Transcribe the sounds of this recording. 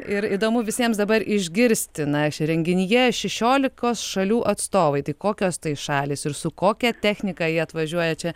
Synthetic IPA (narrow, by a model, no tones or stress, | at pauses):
ɪɾid̪oːmʊʋʲɪsʲiɛmsd̪ɐbɐɾʔɪʒʲɡʲɪɾʲsʲt̪ʲɪnɐɾʲɛŋʲɡʲɪnʲɪjɛʃʲɛʃʲoːlʲɪkoːsʃɐlʲuːʔɐt̪st̪oːʋɐɪt̪ɐɪkoːkʲoːst̪ɐɪʃɑːlʲiːsɪɾsʊkoːkʲɛt̪ʲæːxʲnʲɪkɑjiɛɐt̪ʋɐʒʲuɔjɛt͡ʃʲɛ